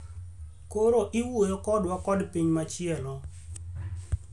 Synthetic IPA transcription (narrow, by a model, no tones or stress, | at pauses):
koɾoʔiwojokɔdwakɔdpiɲmat͡ʃɪɛlɔ